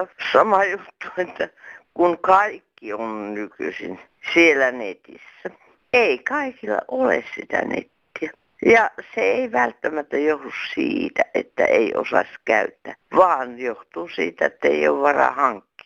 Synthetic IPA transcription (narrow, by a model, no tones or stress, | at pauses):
sɑmɑjut̪ːu̥et̪ːækunkɑikːionnyky̰sḭn | sielænet̪isːæ | eikɑikilːɑ̰ʔolḛssit̪æ̰nḛt̪ːiæ | jɑseeiʋælt̪ːæmæt̪ːæjohdussiːt̪æʔḛt̪ːæ̰ʔeiʔo̰sɑ̰sʲkæyt̪ːæːʋɑːnjoht̪uːsiːt̪æet̪ːæeio̰ːʋʋɑrɑ̰hɑŋkːi̥